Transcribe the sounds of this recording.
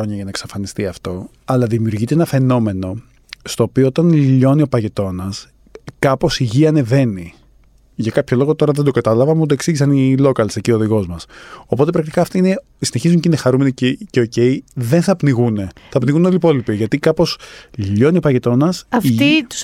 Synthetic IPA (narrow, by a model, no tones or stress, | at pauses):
oɲɐʝɐnɐeksɐfɐnist̪iɐft̪o̞ | ɐlɐðimiuɾʝit̪eenɐfe̞no̞me̞no̞ | st̪o̞ːpioot̪ɐnʎiʎo̞nio̞pɐʝe̞t̪o̞nɐs | kɐpo̞siʝiɐne̞ve̞ni | ʝɐkɐpço̞lo̞ɣo̞t̪o̞ɾɐðend̪o̞ɡɐt̪ɐlɐvɐmut̪oe̞ksiʝisɐnilo̞kɐlsecio̞ːðiɣo̞zmɐso̞po̞t̪epɾɐk̚t̪i̥kɐːft̪oine̞ | sine̞çizuɲcinexɐɾume̞nicceo̞ce̞iðe̞nθɐpniɣune̞θɐpniɣunolipo̞lipiʝɐt̪ikɐpo̞sʎʎo̞nio̞pɐʝe̞t̪o̞nɐsɐfit̪